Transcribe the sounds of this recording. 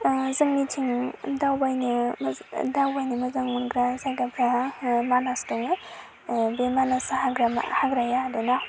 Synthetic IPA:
zɯŋnitʰiŋdawbajni | dawbajnimɐzaŋunɡɾazajɡapʰɾamanastɔŋej | bemanasahaɡɾa̰haɡɾajaːduna

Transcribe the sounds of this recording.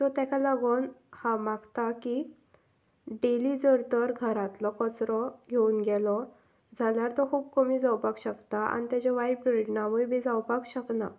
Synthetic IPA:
t̪ɔt̪jakʰalaɡonhamaɡt̪aki | ɖelid͡zəɾt̪əɾɡʱəɾat̪lɔkɔt͡sɾɔɡʱeunɡɛlɔ | d͡zʱaljaɾt̪ɔkʰuːbkəmiːd͡zawpakɕəkt̪aʔa̰nit̪jat͡ɕaʋajpɾeʈnamujbʱid͡zawpakɕəkna

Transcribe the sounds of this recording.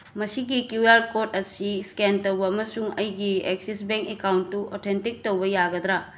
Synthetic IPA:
mɐsiɡikjuaɾkot̚ɐsiskentɐwbɐɐmɐsuŋɐjɡieksisbeŋkekawntːuotʰentik̚towbɐjaɡɐd̪ɾa

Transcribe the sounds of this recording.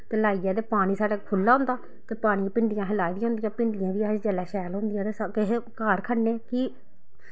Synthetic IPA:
t̪eːlaːiːjãːd̪eːpaːɽ̃iːsaːɽaːkʰʊlːaːɦʊ̃nd̪aː | t̪eːpaːɽ̃ipɪɳɖɪjãːɦəlaːiːd̪ijãʊnd̪ɪjãːpɪɳɖɪjãːb̪iːaːd͡ʒd͡ʒəlɛːʃɛːlɦõːnd̪ɪjãːd̪eːskɪɦkaːɾkʰəneːki

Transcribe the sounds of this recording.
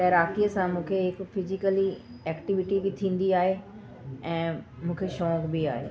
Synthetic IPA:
t̪ɐɦɾaːkijəsãmũːkʰeɦɪkfɪzɪkəli | ɛːkʈɪʋɪʈibɪt̪ʰĩːn̆d̪iaːɦe | ɛ̃ːmũːkʰeʃɔːkbia̰ːɦḛː

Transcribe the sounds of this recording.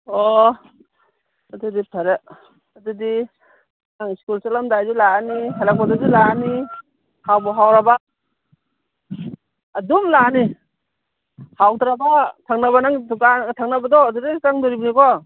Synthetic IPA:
ɔ | adudipʰaɾe | adudi | naŋiskulsalamdajd͡ʒilaanihalak̚badɔzilaani | hawbɔɦawɾaba | adumlani | hawtɾabatʰaŋnaβanaŋkatʰaŋnabadɔdudekaŋdɔɾibnikɔ

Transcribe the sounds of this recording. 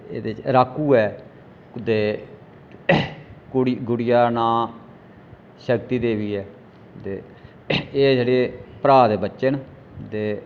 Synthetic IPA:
ḛːd̪eːt͡ʃɾaːkːuːɛː | d̪eː | ɽɡʊɽɪjaːnãː | ʃəkt̪iːd̪eːʋiːɛː | t̪eː | eːseːɖeːpɾaːd̪eːbəːt͡ʃən | d̪eː

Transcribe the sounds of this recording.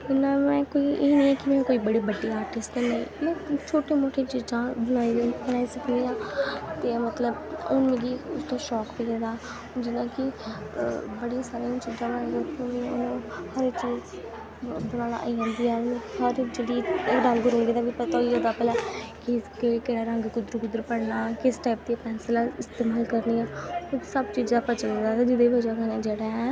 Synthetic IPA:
ɪnːaːmɛ̃ːkoːiːʔenĩːɛːkɪmɛ̃ːkoːiːbəɽiːbəɖːiːaːɾʈɪsʈnaḭ̃ːmɛ̃ːt͡ʃʰoːʈẽːmoːʈʰeːt͡ʃiːzãːbənaːiːd̪bənaːiːsəknd̪iːãːt̪eːmət̪ləbʊnmẽɡiːʊst̪õːʃɔːkpiːɡeːd̪aː | d͡ʒɪnãːkɪ | bəɽisaːɾẽːt͡ʃiːd͡ʒãːbəãːdokõmĩʊnõːhəɾt͡ʃi | bəɽaːɽa̰ːʔiãːnd̪iːɛːnẽhəɾd͡ʒeːɽiːɪkɾə̃ŋɡɡɾũnɡeːd̪aːbipət̪aːiːoːd̪aːpɛːlaːkɪkekeːɽaːɾə̃ŋɡkʊd̪əɾkʊd̪əɾpəɽnaːkɪsʈaːɪp̚d̪iapɛːnslaːɪst̪eːmaːlkəɾniːɛːkʊksəbt͡ʃiːd͡ʒd̪aːpət͡ʃəld̪eːd̪aːt̪aːd͡ʒɪɽeːbəd͡ʒaːkənãːd͡ʒeːɽaɛː

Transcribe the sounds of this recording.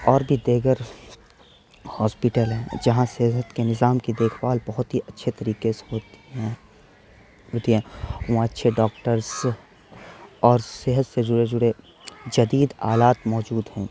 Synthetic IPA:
ɔːɾbʱid̪eːɡəɾ | hɔːspɪʈəlɦɛ̃d͡ʒɐɦãsɛɦɦət̪kenɪzaːmkid̪eːkʰwaːlbɐɦʊt̪ɦiʔɐtːʃʰet̪ɐɾiːkeso | ɦoːt̪iɦɛ̃ːãətːʃʰeɖɔːk̚ʈəɾz | ɔːɾseɦət̪sed͡ʒʊɽed͡ʒʊɽe | d͡ʒɐd̪iːd̪aːlaːt̪mɔːd͡ʒuːd̪ɦɛ̃ː

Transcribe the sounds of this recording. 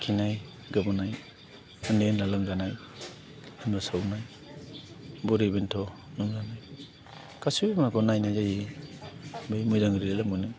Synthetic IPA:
kʰinaj | ɡabɔnaj | ɯnenlalɯŋzanaj | ɯmbasawnaj | bɔɾebentʰɔnɔŋzanaj | kasubimnakʰɔnajnajzaji | bejmɔjzaŋɾilalamɔjnɯ

